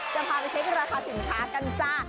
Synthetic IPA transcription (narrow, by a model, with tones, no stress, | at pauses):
t͡ɕa˧˨pʰaː˧˩pa˧jt͡ɕʰa˦˥jtʰaː˥˩ɾaː˧kʰaː˧˩si˨˩˦nkʰaː˦˥ka˧nt͡ɕaː˧˩k̚